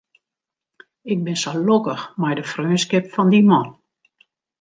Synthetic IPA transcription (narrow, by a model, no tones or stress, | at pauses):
ɪk̚bɪnsalokəxmɛjdəfrøːnskɪpfɔndimɔn